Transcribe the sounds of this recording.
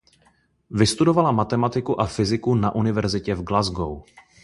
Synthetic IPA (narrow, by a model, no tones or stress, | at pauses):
vɪst̪udo̞valamat̪ɛmat̪ɪkuʔafɪzɪkunaʔunɪvɛɾzɪcɛvɡlazɡo̰w